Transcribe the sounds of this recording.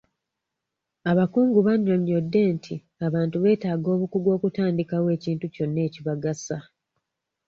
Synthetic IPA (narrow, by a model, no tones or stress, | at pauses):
aβakuːŋɡuβaɲːoɲːo̞dːe̞ːntʰi | aβaːntuβe̞ːtaːɡo̞ːβukuɡwo̞ːkutaːndikawe̞ːciːntuco̞nːe̞ːciβaɡasa